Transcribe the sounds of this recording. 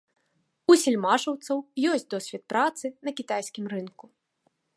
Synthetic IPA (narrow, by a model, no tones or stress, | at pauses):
usʲilʲmaʐɐwt̪sɐwjɔsʲtʲt͡sʲd̪ɔsʲvʲɛt̪̚pɾat̪sɨnɐkʲit̪ajsʲkʲimrɨnku